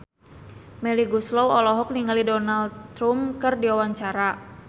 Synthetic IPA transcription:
mɛliɡuslɔwɔlɔɦɔk̚niŋalidɔnaldt̪ɾumkɨrdiawaɲt͡ʃaɾa

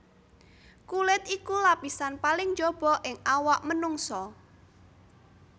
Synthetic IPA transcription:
kulɪt̪ikulapisanpalɪŋd͡ʒob̥ɔ̤ʔɪŋawaʔmənuŋsɔ

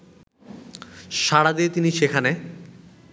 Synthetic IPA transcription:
ʃaɽad̪iet̪iniʃekʰane

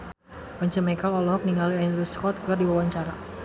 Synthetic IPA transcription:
paɲt͡ʃəmɛkalɔlɔɦɔk̚niŋaliand̪ɾəskɔt̪̚kɨrdiwawaɲt͡ʃaɾa

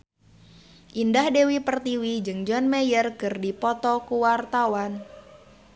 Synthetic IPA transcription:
ʔindahdewipərt̪iwid͡ʒɨŋd͡ʒɔnmɛjərkɨrdipɔt̪ɔkuwart̪awan

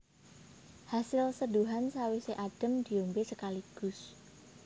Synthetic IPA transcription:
hasɪlsəduɦansawiseʔad̥ə̤md̪̥i̤ombesəkaliɡ̥ʊs

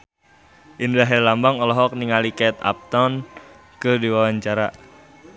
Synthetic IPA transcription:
ʔindaɦɛlambaŋɔlɔɦɔk̚niŋalikɛt̪a̰p̚t̪ɔn | kədiwawaɲt͡ʃaɾa

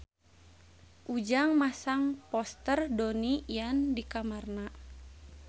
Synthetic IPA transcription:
ʔud͡ʒaŋmasaŋpɔst̪ərdonijandikamarna

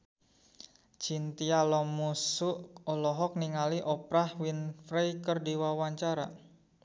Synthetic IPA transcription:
t͡ʃint̪ialɔmusuʔɔlɔɦɔk̚niŋaliʔɔpɾahwinfɾejkərdiwawaɲt͡ʃaɾa̰

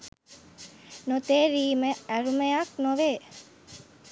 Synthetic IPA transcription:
not̪eːɾiːməæɾuməjaknoʋeː

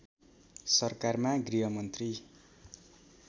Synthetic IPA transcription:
sʌrkarmaɡriɦʌmʌnt̪ri

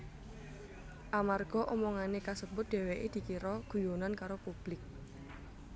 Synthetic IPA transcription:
ʔamarɡ̥ɔ̤ʔomɔŋanekasəbʊt̪̚d̪̥e̤weʔed̪̥i̤kiɾɔɡ̥ṳjonankaɾopub̥lɪk̚

